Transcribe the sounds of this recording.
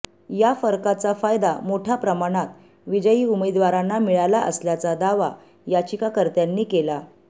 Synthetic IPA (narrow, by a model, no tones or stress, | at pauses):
jafəɾkat͡safajd̪amoʈʰapɾəmaɽ̃at̪ | ʋid͡ʑəjiːuməd̪ʋaɾanːamiɭalaʔə̰sljat͡sad̪aʋa | jat͡ɕikakəɾt̪janːiːkela